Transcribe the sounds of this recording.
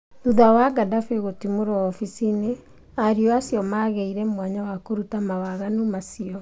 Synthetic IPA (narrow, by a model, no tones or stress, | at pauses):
ðuðawaɡadafeɣotimoɾɔːfisine | aɾiɔasijɔmaːɣɛiɾɛmwaɲawakoɾutamawaɣanumasiɔ